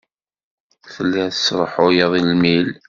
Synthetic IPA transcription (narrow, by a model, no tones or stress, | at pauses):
θəlːiθəsɾˤəħʊjɑðˤilmil